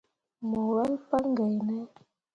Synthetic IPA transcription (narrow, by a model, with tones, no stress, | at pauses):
mɔ˨wɛ˦lpa˦ŋɡə˨jnɛ˦